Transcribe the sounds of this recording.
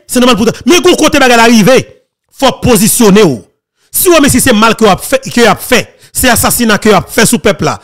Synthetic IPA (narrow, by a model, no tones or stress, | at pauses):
sɛnɔ̃malput̪amɛ̃ɡɔ̃kot̪ebaɡajlaʁive | fɔpozisjoneo | siwomɛ̃sisɛmalkəjoapɛkəjoapfɛ | sɛasasinakəjoapfɛsupɛpla̰